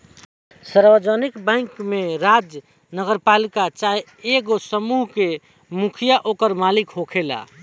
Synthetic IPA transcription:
səɾbəd͡ʒənikbãɪkmeɾad͡ʒ | nəɡəɾpalikat͡ʃae | eɡosəmuɦke | mukʰijaʔokəɾmalikɦokʰela̰

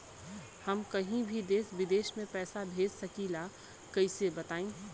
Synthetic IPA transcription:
hɐmkɐɦĩbʱid̪eːsʋɪd̪eːʃmẽpɛːsabʱeːd͡ʒsɐkiːla | kɐɪsebɐt̪aːẽː

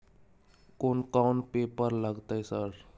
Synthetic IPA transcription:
koːnkaːnpeːpəɾləɡt̪aɛsəɾ

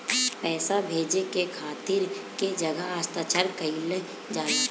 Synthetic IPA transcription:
pɛːsabʱeːd͡ʒekekʰaːt̪iːɾked͡ʒəɡəaːst̪ət͡ʃəɾkəɪl | d͡ʒaː

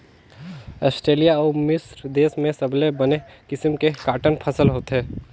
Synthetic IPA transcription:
ɔːsʈɾeːlijaɔːmɪsɾd̪eːsmẽsəbʱlebənekɪsimkekaːʈənpʰəsəlɦoːt̪ɦeː

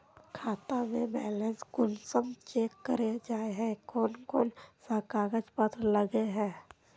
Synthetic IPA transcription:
kʰaːt̪amẽbɛːlẽːnsɡʊnsəmt͡ʃeːkːəɾed͡ʒaːeɦɛ̃koːnkoːnsakaːɡət͡ʃpət̪ɾləɡeɦɛ̃ː

